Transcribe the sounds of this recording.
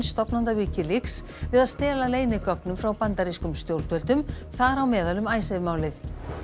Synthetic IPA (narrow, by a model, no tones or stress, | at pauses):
nst̪ɔpnant̪aviːcɪlɪks | vɪðaðst̪ɛːlaleːjnɪkœpnʏmfɾawpant̪aɾiskʏmst̪jowɾ̥t̪vɛlt̪ʏmθaɾawmɛːðalʏmaːjsavmaːwlɪθ